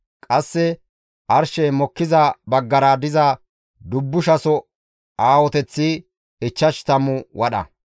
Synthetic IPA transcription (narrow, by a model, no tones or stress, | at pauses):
kʼɐsːɛ | ʔɐɾʃɛjmɔkːɪzɐbɐɡːɐɾaːd̪ɪzɐ | d̪ʊbːʊʃɐsɔ | aːwɔt̪ɛt͡sːi | ɪt͡ʃːɐʃt̪ɐmʊwʔɐɗɐ̰